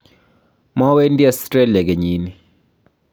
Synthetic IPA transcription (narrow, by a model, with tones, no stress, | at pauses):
ma˦we˦ndi˦asɾe˦lja˨ɡe˨ɲi˦ni